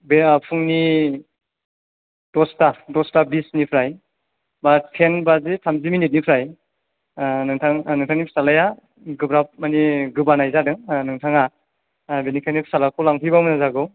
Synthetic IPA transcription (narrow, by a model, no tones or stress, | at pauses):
bepʰɯŋni | dɔstadɔstabisnipʰɾaj | bat̚pʰenbazetʰamziminit̚nipʰɾaj | nɯŋtʰaŋnɯŋtʰaŋnipʰsalaja | ɡɯbɾap̚maniɡɯbanajzadɯŋnɯŋtʰaŋa | benikʰajnipʰsalakʰɔlaŋpʰibamɯnazaɡɯw